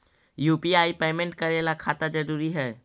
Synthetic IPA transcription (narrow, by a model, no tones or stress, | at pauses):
jupiaipeːmẽɳʈ̚kəɾelakʰaːt̪ad͡ʒəɾuɾiɦɛː